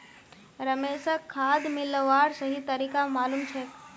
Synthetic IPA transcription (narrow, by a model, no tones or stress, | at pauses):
ɾəmeːsəkʰːaːd̪mɪlʋaːɾsəɦit̪əɾiːkamaːlumt͡ʃʰe